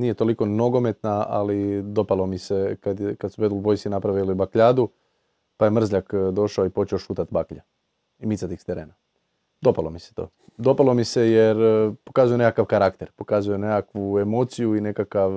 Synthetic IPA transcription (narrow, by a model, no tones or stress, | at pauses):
niːje̞t̪o̞liko̞no̞ɡo̞me̞t̪naa̰lid̪o̞palˠo̞mise̞kad̪ekad̪subed̪lubo̞jsinapɾaʋilibakʎaːd̪u | pajemr̩zʎakd̪o̞ʃaoipo̞t͡ʃeoʃuːt̪at̪bakʎa | imit̪sat̪ixst̪eɾeːna | d̪o̞palomise̥t̪oː | d̪o̞palo̞mise̞jeɾpo̞kazuje̞nekakaʋkaɾakt̪e̞ɾpo̞kazujenekakʋue̞mo̞t̪sijuine̞kakaʋ